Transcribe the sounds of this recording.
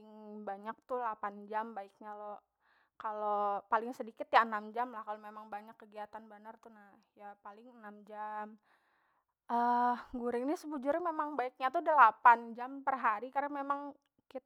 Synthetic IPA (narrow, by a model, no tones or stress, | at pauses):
ɪŋbaɲak̚t̪ulapand͡ʒambaɪk̚ɲalo | kalopalɪŋsədikɪt̪jaənamd͡ʒamlahkalomemaŋbaɲakːəɡiat̪anbənərt̪unahjapalɪŋənamd͡ʒam | ʔəɡuɾɪŋnisəbud͡ʒuɾɪmemaŋbaik̚ɲat̪udəlapand͡ʒampərɦaɾikaɾaŋmemaŋ | kit̪